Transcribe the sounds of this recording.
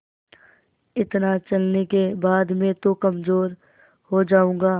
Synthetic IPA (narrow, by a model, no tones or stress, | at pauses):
ɪt̪nat͡ʃɐlnekebaːd̪mẽt̪okɐmzoːɾ | hod͡ʒaːũːŋ̆ɡaː